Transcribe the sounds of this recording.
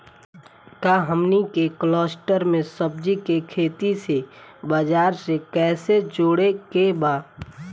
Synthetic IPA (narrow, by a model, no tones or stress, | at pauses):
kaːɦəmnikeklɔːsʈəɾmẽsəb̚d͡ʒikekʰeːt̪isebəd͡ʒaːɾsekɛːsed͡ʒoːɽekebaː